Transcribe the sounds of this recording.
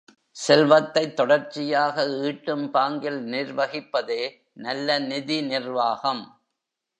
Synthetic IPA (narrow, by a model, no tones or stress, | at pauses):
sɛlʋɐt̪ːɐɪt̪ːɔɽɐɾt͡ʃɪjaːɣɐiːʈːɯmpaːŋɡɪlnɪrʋɐɣɪpːɐðeː | nɐlːɐnɪðinɪrʋaːɣɐm